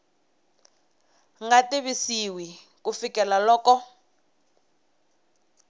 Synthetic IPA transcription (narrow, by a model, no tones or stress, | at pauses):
ŋɡatiβisiwi | kufikɛlalɔːkɔ